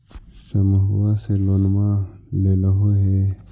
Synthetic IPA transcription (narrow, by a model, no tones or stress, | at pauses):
səmuɦwaseloːnmaleːləɦõɦe